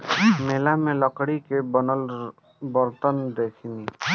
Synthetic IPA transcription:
meːlamẽlɔkɽikebnəl | bɔɾt̪ənd̪eːkʰini

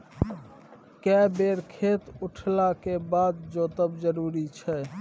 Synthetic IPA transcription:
kɛbeɾkʰet̪uʈʰlakebad̪d͡ʒot̪əbd͡ʒəɾuɾit͡ʃʰɛ

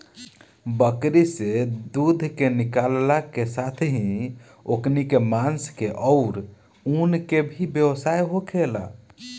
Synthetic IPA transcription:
bəkɾised̪ud̪ʱkenikallakesat̪ʰɦĩ | oknikemanskeʔɔʊɾ | unkebʱibjewsajɦokʰela̰

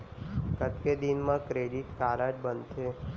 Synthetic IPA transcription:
kət̪ked̪inmãkɾeɖiʈkaɾad͡ʒbənd̪ʃe

